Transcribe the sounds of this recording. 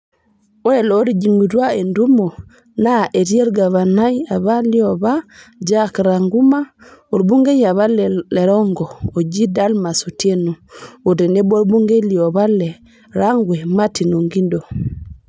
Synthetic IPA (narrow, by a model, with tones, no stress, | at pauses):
o˦e˨lo˦ɾi˦d͡ʒi˨mu˨tu˦ae˨ndu˦mo˨ | naʔe˨ti˦e˦ɾɡa˨βa˨naja˨βa˦li˦obad͡ʒakɾaŋɡu˦ma˦o˨ɾbu˦ŋɡe˦ɲa˨βa˦le˨ɾɔ˦ŋɡɔ˨o˨d͡ʒi˦da˦lma˨sute˦nu˨o˨dɛ˨nɛ˦bo˦ɾbu˦ŋɡe˦li˨o˨βa˦lːɛ˨ | ɾaŋɡwɛ˨ma˦ti˨nu˨ŋɡi˦ndɔ˨